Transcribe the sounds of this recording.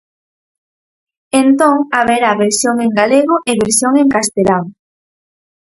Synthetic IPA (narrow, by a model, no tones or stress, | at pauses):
ent̪oŋaβeɾaβeɾsjoŋeŋɡaleɣʊʔeβeɾsjoŋeŋkast̪elaŋ